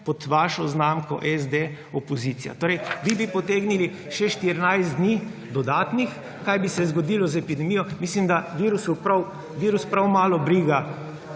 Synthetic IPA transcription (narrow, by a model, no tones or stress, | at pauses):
pɔt̪ʋaːʃɔznaːmkɔ̰ʔɛzd̪e | ɔpɔziːt̪sija̰t̪oːɾɛjʋibipɔt̪eːɡnili | ʃɛʃt̪iɾnajzd̪nid̪ɔd̪aːt̪nix | kajbisɛzɡɔd̪iːlɔzɛpid̪ɛmiːjɔmislimd̪aʋiːɾusupɾaw | ʋiːɾuspɾawmaːlɔbɾiːɡa